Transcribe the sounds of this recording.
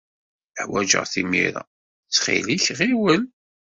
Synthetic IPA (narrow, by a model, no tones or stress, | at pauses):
əħwæd͡ʒə̰ʁθimḭɾæ̰ | t͡sːχḭliçʁiwəl